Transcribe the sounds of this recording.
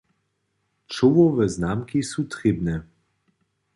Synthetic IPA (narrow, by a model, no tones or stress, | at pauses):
t͡ʃoʋɔvəznamkisut̪ʁebnɛ